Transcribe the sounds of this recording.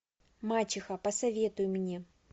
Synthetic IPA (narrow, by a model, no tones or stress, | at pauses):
mat͡ɕɪxɐpɐsɐvʲe̞t̪ʊjʊmnʲe